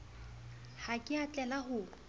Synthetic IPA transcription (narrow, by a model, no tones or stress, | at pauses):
hakʼɪat͡ɬʼɛlaɦʊ